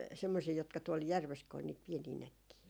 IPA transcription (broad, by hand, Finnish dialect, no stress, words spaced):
semːosiː jotkɑ tuol jærʋes ko ol niːt pieniː nækːiː